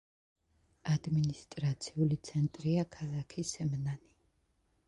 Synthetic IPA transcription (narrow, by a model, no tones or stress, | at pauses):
ad̪minist̪ʼɾat̪sʰiulit̪sʰɛnt̪ʼɾiakʰalˠakʰisɛmnani